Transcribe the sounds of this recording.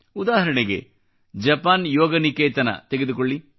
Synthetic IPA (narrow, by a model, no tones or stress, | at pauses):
ud̪aːɦɐɾɐɳeɡe̞̰ | d͡ʒɐpaːnjɔːɡɐnikeːt̪ɐnɐ̰t̪eɡed̪ukoɭːi